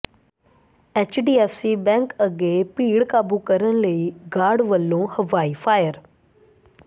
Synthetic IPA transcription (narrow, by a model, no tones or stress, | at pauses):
eːt͡ʃɖiːɛːfsibɛ̃ːŋkəɡepiːɽkaːbukəɾəñləiːɡaːɖʋəlːõːhɐʋaːifʰaːjəɾ